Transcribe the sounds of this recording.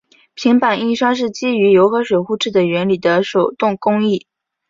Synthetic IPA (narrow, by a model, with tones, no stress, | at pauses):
pʰi˧˥ŋpa˨˩ni˥˧ʂɑ˥ŋʂ̬ɻ̩˥˩t͡ɕi˥y˧˥jo˧˥ʊxɤ˧˥ʂwe˨˩xu˥˧ʈ͡ʂʰɻ̩˥˩d̪ə˩ɥɛ˧˥nli˨˩d̪ə˦ʂo˨˩ʊt̪ʊ˥˩ŋkʊ˥ŋi˥˩